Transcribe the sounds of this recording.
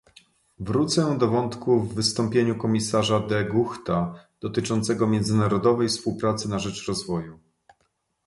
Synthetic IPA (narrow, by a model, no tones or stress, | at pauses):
vɾut̪sɛd̪ɔvɔnt̪kuvːɘst̪ɔmpʲjeɲukɔmʲisaʐad̪ɛɡuxt̪ad̪̥ɔt̪ɘt͡ʂɔnt̪sɛɡɔmʲjɛnd̪zɘnaɾɔd̪ɔvɛjfspuwpɾat̪sɘnaʐɛt͡ʂɾɔzvɔju